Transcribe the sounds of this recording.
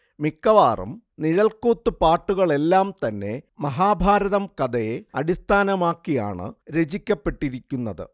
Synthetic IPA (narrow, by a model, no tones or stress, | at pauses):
mikːɐʋaːrɐ̰m | niɻɐlkuːt̪ːɨpaːʈːuɣɐɭe̞lːaːmt̪ɐnːe̞mɐɦaːbʱaːɾɐðɐmkɐd̪ɐjeɐɽist̪ʰaːnɐmaːkːija̰ːɳɨ̰ɾed͡ʑikʲːɐpːe̞ʈːiɾikʲːunːɐðɨ̰